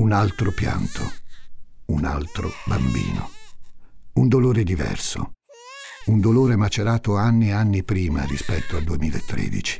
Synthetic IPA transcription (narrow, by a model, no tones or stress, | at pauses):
unalt̪ɾopja̰nt̪ʰo | una̰lt̪ɾo̰bambḭːno̰ | und̪oloːɾed̪ivɛ̰rso̰ | und̪oloːɾemat͡ʃeɾaːt̪oanːianːipɾiːma̰rispɛt̪ːoald̪uemiːlaet̪ːɾḛːd̪it͡ʃi̥